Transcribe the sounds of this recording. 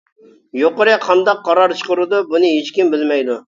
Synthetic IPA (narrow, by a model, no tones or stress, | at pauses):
joqəɾɨqʰɑnd̪ɑqːɑɾɑɾt͡ʃʰə̥qʊɾɨd̪ubunɨɦet͡ʃkʲimbɪlmɛjd̪u